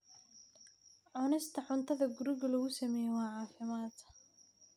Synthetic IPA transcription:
ʕʊnɪst̪ʰɐħʊnt̪ʰɐðɐɡʊɾɪɣɐlɔɣʊsɐmɛːjɛwɑːʕɑːfɪmaːt̪

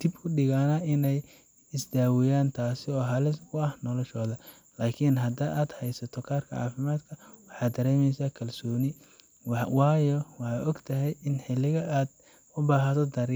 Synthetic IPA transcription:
d̪̥ɪbkʰʊɖɪɣaːnɐɪnɛj | ɪsd̪aːwɪjaːnt̪ʰaːsɪɔːɦɐlɪsʊɐhnɔlɔʃɔːðɐ | laːkʰɪnɦɐd̪ɐʔaːd̪hɛjsɐt̪ʰɔkʰaːrkʰɐ̰ʕɑ̰ːfɪmaːd̪kʰɐwɑħɑːd̪ːɐɾɛːmɛjsaːkʰɐlsɔːnɪ | wɑːjɔwɑħɑːɔɡt̪ʰɐɦɛjɪnħɪlːɪɣɐʔaːd̪ | ʊbaːɦɐt̪ʰɔd̪ɐɾɪ

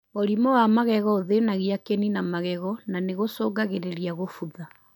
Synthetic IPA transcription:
ɣoɾimɔwamaɣɛɣɔoðenaɣiakeninamaɣɛɣɔnaneɣosoːɡaɣeɾeɾiaɣofuða

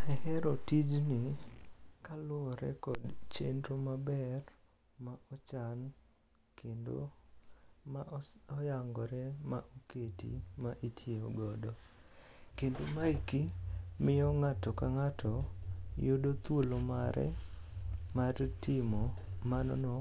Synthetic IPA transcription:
ɛhɛɾɔtid͡ʒnɪ | kalʊɾɛ̰kɔdt͡ʃendɾomabɛr | maɔt͡ʃan | kʰendo̰ | maɔjaŋɡɔɾɛmaʔoketḭmaʔitʰjeoɡɔdɔ | kendomaikimɪjɔŋatɔkaŋatɔjodot̪wolomaɾʔɛ̰ | martɪmɔmanɔ̰nɔ

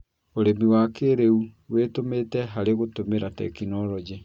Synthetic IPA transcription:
oɾemiwaːkeɾeuwetometɛɦaɾeɣotomeɾatɛ̰kinɔɾɔd͡ʒe

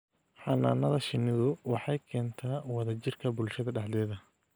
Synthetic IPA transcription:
ħɑna̰ːnɐðɐʃɪnɪðʊwɑħɑjkʰɛːnt̪ʰaːwɑðɐt͡ʃɪrkʰɐbʊlʃɐðɐɖɑħd̪ɛːðɐ

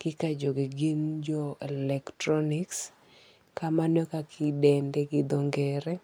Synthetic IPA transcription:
kɪkad͡ʒoɡiɡind͡ʒɔɛlɛktɾɔnɪks | kamanɔkakʰɪdɛndɛɡɪd̪ɔŋɡɛɾɛ

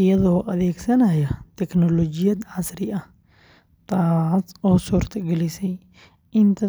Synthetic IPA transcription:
ɪjɐðɔːʔɐðɛːɡsɐnɐjɐt̪ʰɛknɔlɔːd͡ʒɪjɐd̪ʕasɾɪʔɐh | t̪ʰaːsɔːsuːrt̪ʰɐɡɛlɪsɛj | ʔɪnt̪ʰɐ

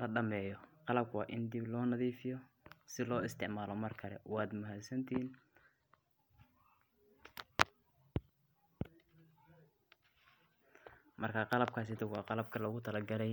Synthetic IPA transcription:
lɐɖɐmɛːjɔqɑlɐb̚kʰwɑ̰ːʔɪnd̪ɪblɔːnɐðiːfɪjɔ | sɪlɔːɪst̪ʰɪʕmaːlɔmɐrkʰɐlɛ̰wɑːd̪mʊɦad̪sɐnt̪ʰɪhiːn | mɐrkʰaːqɑlɐb̚kʰaːsɪt̪ʊɣwɑːqɑlɐb̚kʰɐlɐɣʊt̪ʰɐlɐɡɐlɛj

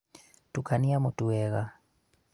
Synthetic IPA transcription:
tukaniamutuwɛɣa

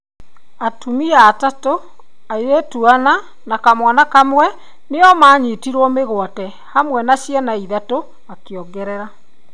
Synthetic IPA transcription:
atumiaːtato | aiɾetuana | nakamwanakamwɛ | neɔmaːɲitiɾwɔmeɣwɔtɛ | hamwɛnaɕjɛnaiðato | akeɔɡɛɾɛɾa

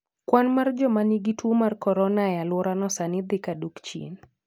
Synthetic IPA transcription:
kwanmard͡ʒɔmaniɡitʰuomarkɔɾɔnajalwɔɾanɔsanɪd̪ɪkadukt͡ʃḭn

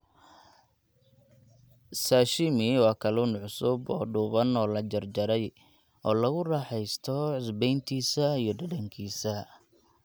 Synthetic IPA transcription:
saːʃɪmɪwɑːkʰɐluːnʕʊsʊbɔ̰ːɖʊβɐnɔːlɐt͡ʃɐrd͡ʒɐɾɛj | ʔɔːlɐɣʊrɑːħɛjst̪ʰɔʕɪsbɛjnt̪ʰiːsɐijɞɖɐdɐŋkʰiːsɐ

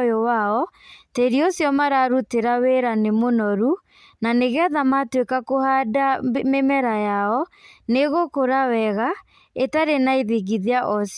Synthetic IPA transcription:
jowaɔteɾiosjɔmaɾaɾuteɾaweɾanemonɔɾu | naneɣeaðamatwekakohadamemɛɾajaɔneɣokoɾawɛɣa | etaɾenaiðiɣiðiaʔɔs

